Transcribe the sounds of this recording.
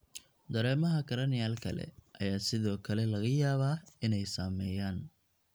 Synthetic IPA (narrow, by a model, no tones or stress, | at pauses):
d̪ɐɾɛːmɐɦɐɡʰɐɾɐnɪjaːlkʰɐ̰lɛ̰ʔɐ̰jaːsɪðɔːkʰɐlɛlɐɣɐjaːβaːɪnɛjsaːmɛːjaːn